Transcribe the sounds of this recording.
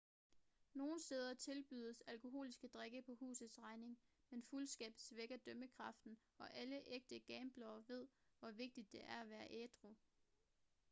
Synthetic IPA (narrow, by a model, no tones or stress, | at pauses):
no̝ːn̩sd̥eːð̞ˠɐt͡sʰe̝lb̥y̰ːð̞ˠəsælkʰo̝ɦo̝̰ːlisɡ̥əd̥ʁeɡ̥əpʰɒ̽hṵːsð̩ˠsʁɑ̈ɪne̝ŋ | menfulsɡ̥ɛ̰ːb̥sʋeɡ̥ɐd̥œməkʰʁɑ̈fd̥n̩ | ɒ̽ʔæləʔeɡ̥̚d̥əɡ̥ɛːmb̥lɒʊɐʋe̝ð̞̰ˠʋɒʋe̝ɡ̥̚d̥id̥ːe̝ʔæɐæʋæːɐʔeːd̥ʁo